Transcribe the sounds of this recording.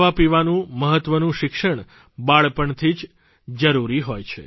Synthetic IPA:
ʋapiʋanũməɦət̪ʋənũʃɪkʃəɳ | baɭpəɳt̪ʰid͡ʒ | d͡ʒəɾuɾiɦojt͡ʃʰḛ

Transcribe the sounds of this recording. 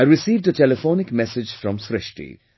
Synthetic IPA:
aɪɾɪsiːvdətɛlɪfoːnɪkmɛsɪd͡ʒfɾɔ̃msɾɪʃʈḭ

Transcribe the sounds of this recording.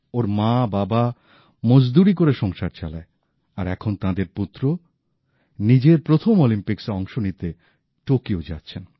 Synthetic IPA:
oɾmãbaba | mod͡ʑd̪uɾik̬oɾeʃɔŋʃaɾt͡ɕala̰e | aɾɛkʰont̪ãd̪eɾput̪ːɾo | nid͡ʑeɾpɾot̪ʰomolimpiksɔŋʃonit̪e | ʈokiod͡ʑa̰tːɕʰen

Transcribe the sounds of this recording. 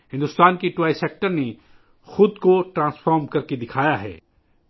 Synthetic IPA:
ɦɪ̃nd̪ʊst̪aːnkiʈwaːɪseːk̚ʈəɾne | xʊd̪koʈɾãːsfaːɾmkɐɾked̪ɪkʰaːjaɦɛ̰ː

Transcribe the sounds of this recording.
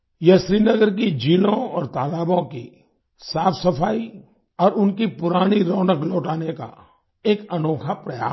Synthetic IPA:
jɐʃɾiːnɐɡəɾk̬id͡ʒiːlõɔːɾt̪aːlaːbõki | saːfsɐpʰaːi | ɔːɾʊnkipʊɾaːniɾoːnəkloːʈaːneka̰ | eːkɐnoːkʰapɾɐja̰ː

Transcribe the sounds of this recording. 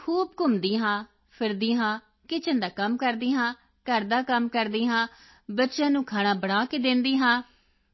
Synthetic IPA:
kʰuːbkʊmd̪iːɦãː | pʰɪɾd̪iːɦãː | kɪt͡ʃʰənd̪aːkəmkəɾd̪iːɦãː | kəɾd̪aːkəmkəɾd̪iːɦãː | bətːʃjãːnũːkʰaːɽ̃ãːbəɽaːkeːd̪ɪ̃nd̪iːɦãː

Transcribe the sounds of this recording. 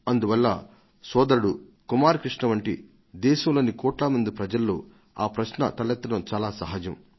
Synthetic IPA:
ɐnd̪uʋɐlːɐ̰ | sɔːd̪ɐɾuɽukumaːɾɐkɾiʂɳɐʋɐɳʈḭ | d̪ɛːʃɐmloːnikɔːʈlɐmɐnd̪ipɾɐd͡ʒɐlːo̰ː | aːpɾɐʃɳɐ̰t̪ɐlɐt̪ːɐnɐmt͡ʃaːlaːsɐɦɐd͡ʒɐm

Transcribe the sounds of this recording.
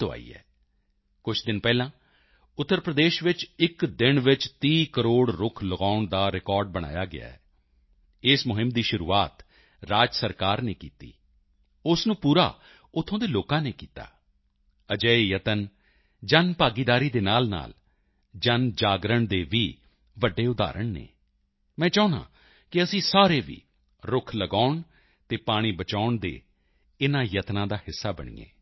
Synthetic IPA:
t̪oa̰ːḭːɛ̰ː | kʊt͡ʃʰd̪ɪnpɛːlãː | ʊt̪ːəɾpɾəd̪eːʃʋɪt͡ʃɪkd̪ɪɳʋɪt͡ʃt̪iːkəɾoːɽɾʊkʰləɡaːʊɳd̪aːɾɪkɔːɾɖ̚bəɽ̃a̰ːjaːɡɪ̰a̰ːɛː | ɪsmʊɦɪmd̪iːʃʊɾṵːaːt̪ | ɾaːd͡ʒsəɾkaːɾnḛːkiːt̪ḭː | ʊsnũːpuːɾa̰ː | ʊt̪ʰːõːd̪eːloːkãːneːkiːt̪a̰ː | əd͡ʒəːijət̪ən | d͡ʒənpaːɡiːd̪aːɾiːd̪eːnaːlna̰ːl | d͡ʒənd͡ʒaːɡɾəɳd̪eːʋiː | ʋəɖːeːʊd̪a̰ːɾəɳnḛː | mɛ̃ːt͡ʃɔːnã̰ː | kɪəsĩːsaːɾeːʋḭː | ɾʊkʰləɡaːʊɳ | t̪eːpaːɽ̃iːbət͡ʃaːʊɳd̪ḛː | ɪnãːjət̪nãːd̪aːhɪsːaːbə̰ɳ̃ḭːḛː

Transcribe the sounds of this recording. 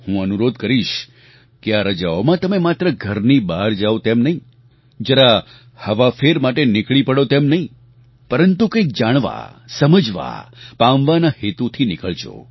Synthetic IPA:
hũənuɾod̪kəɾiʃ | keaɾəd͡ʒaomãt̪əmemat̪ɾəɡʱəɾnibaɾd͡ʒaot̪emnəɦĩ | d͡ʒəɾa | həʋafʰeɾmaʈenɪkɭipəɽot̪emnəɦĩ | pəɾənt̪ukə̃k̚d͡ʒaɽ̃ʋa̰səməd͡ʒʋa̰pamʋanahet̪ut̪ʰinɪkəɭt͡ʃʰo̰

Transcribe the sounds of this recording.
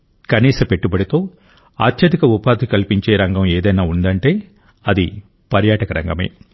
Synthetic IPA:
kɐniːsɐpe̞ʈːubɐɽit̪o̞ː | a̰ːt̪ʰjɐd̪ikɐupaːd̪ikɐlpiɲt͡ʃeːɾɐŋɡɐmeːd̪ɐjnaːund̪ɐɳʈe̞ː | ɐd̪i | pɐɾjaːʈɐkɐɾɐ̰ŋɡɐme̞̰ː

